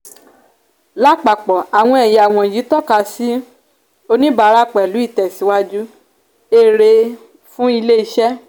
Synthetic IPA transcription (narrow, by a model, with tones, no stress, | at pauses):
la˦k͡pa˨k͡pɔ˨a˨w̃ɔ̃˧ɛ˨ja˨w̃ɔ̃˧˨ji˨˦tɔ˦˨ka˧si˦ | o˧nĩ˦ba˧˦ɾa˦k͡pɛ˨lu˨˦i˦˨tɛ˨si˨˦wa˦d͡ʒu˦ | e˦˨ɾe˧ | fũ˦i˧le˦i˧ʃɛ˦